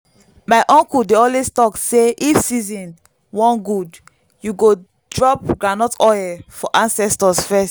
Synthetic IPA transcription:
maɪʔɔ̃ŋkuldeɔlwestɔkseʔifsizĩn | wɔ̃nɡud | juɡo | dɹɔp̚ɡɹanɔtɔɛfɔʔãnsɛstɔsfɛst

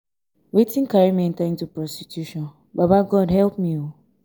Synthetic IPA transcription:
wetĩn̩kaɹimiɛ̃ntãĩntupɹɔstitjuʃɔ̃n | babaɡɔdɦɛlp̚mio

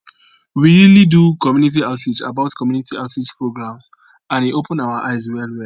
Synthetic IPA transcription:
wiɹilidukɔmjunit̬iaʊtɹit͡ʃa̰baʊtkɔmjunitiaʊtɹit͡ʃpɹoɡɹãms | ãnwiʔopə̃naʊaʔaɪzwɛlwɛl

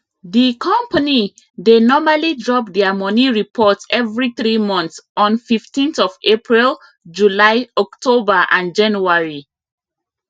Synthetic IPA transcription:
dikʰɔ̃mpəni | denɔmalidɹɔp̚dɛamɔniɹipʰɔtsɛvɹiθɹimɔ̃nsɔ̃nfiftĩnθɔvepʰɹil | d͡ʒulaɪɔktʰobaʔãnd͡ʒãnuaɹi

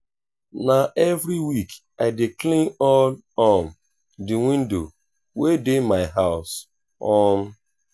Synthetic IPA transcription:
naʔevɾiwik | aɪdiklĩŋɔn | ɔm | dɪwĩndo̰ | wedemaɪɦaʊs | ɔm̩

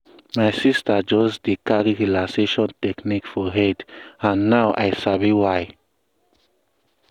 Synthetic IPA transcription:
majsistʰad͡ʒɔsdikaɾiɹilaseʃɔ̃ntɛknikfɔɦɛtãnːawʔa̰jsaviwaj

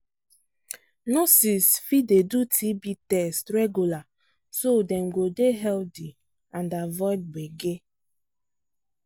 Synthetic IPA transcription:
nɔsisfidedutʰibitɛstɹɛɡjula | sodɛ̃mɡodeɦɛldi | ãndavɔjd̚beɡe

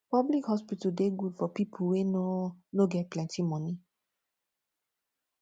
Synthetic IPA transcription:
pablikhɔspitadeɡudfɔpipʰuwenonoɡɛt̚plɛ̃ntimɔ̃nĩ

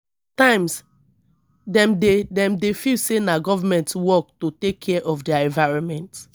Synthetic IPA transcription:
tãɪ̃ms | dɛ̃mdedɛ̃mdefilsenaɡɔvamɛ̃ntwɔk̚totekʰːɛʔɔfdɛaɛ̃ɱvaɪɹɔ̃nmɛ̃nt

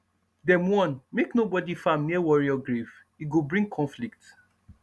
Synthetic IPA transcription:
dɛ̃mwɔ̃nmeknobɔdifãmnewɔɹiɔɡɹiv | iɡobɹĩŋɡkʰɔ̃nflik̚t

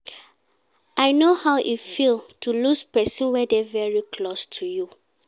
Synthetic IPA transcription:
aɪnohaʊʔifilˠtʰuluspɛsɔ̃nwɛdɛvɛɹikʰlostʰuju

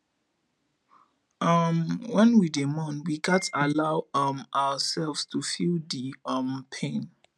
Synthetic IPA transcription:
ʔamwɛ̃nwidemɔ̃nwiɡatalawamawasɛlvstufildiʌmpʰẽn

